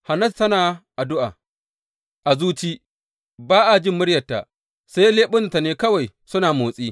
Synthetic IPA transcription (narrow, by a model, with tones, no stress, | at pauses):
ha˨nɐ˦˨stɐ˦naː˨ʔa˨dʊ˦ʔa̰ː˨ | ʔa˨zuː˦t͡ʃiː˦ | baː˦ʔa˨d͡ʒɪ˦mːʊ˦ɽjɐ˨tːa̰˨ | sa˦jleː˦ɓʊ˦n˨ta˨neː˦kɐ˦wa˨j | sʊ˦naː˨moː˨sʼiː˦